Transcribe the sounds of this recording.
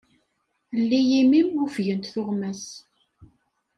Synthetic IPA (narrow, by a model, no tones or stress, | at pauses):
lːijimimufʝənt̪θʊʁmæs